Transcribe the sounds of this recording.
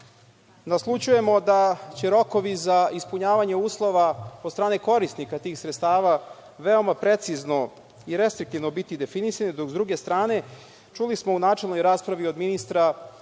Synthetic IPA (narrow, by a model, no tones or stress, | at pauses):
naslˠut͡ʃuje̞mo̞d̪at͡ɕe̞ɾo̞ko̞ʋizaispuɲaːʋaɲe̞uːslˠo̞ʋaod̪st̪ɾaːne̞ko̞ɾist̪nikat̪iːxsɾet̪st̪aːʋa | ʋeo̞mapɾe̞t̪sizno̞ | iɾe̞st̪ɾik̚t̪iʋno̞bit̪id̪e̞finisanid̪okzd̪ɾuɡe̞st̪ɾaːne̞ | t͡ʃulismounaːt͡ʂe̞lno̞jɾaːspɾaʋio̞d̪minist̪ɾa